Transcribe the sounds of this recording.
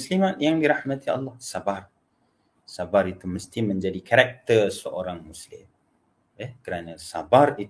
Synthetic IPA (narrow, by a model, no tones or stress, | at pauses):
slimat̪̚jaŋdiɾahmãt̪ia̰lːɑhsabar | sabaɾit̪uməst̪imə̃ɲd͡ʒadikaɾak̚t̪ərsəʔoɾaŋmuslɪm | jɛkəɾanasabari